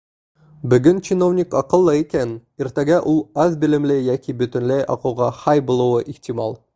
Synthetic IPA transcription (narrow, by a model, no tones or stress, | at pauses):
bɵ̆ɡɵnt͡ɕinovnʲikɒqɤ̆lˠːɤikæniɾt̪æɡæʔulˠɒzbɘ̆lɘ̆mlɘjɒkʲibɵ̆t̪ɵ̆nlæjʔɒ̰qɤ̆wʁɑhɑjbulˠuwɤʔixt̪ʲimɑlˠ